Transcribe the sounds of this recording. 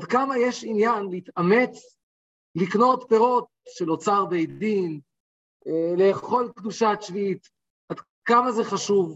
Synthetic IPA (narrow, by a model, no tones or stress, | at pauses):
ad̪kamajeʃinjanlit̪ame̞t͡s | likno̞tpeʁo̞t̪̚ʃelo̞t͡saʁbejdin | le̞ːχo̞lkd̪uʃat͡ʃviit̪ | ad̪ | kamazeχaʃuv